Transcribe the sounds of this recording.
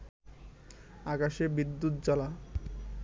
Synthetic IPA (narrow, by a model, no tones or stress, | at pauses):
akaʃebid̪ːut̪̚d͡ʑala